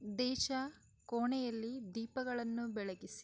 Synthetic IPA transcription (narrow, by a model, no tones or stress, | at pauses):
d̪ɛːʃɐ | koːɳɛjɐlːid̪iːpɐɡɐɭɐnːubɛɭɐɡisi̥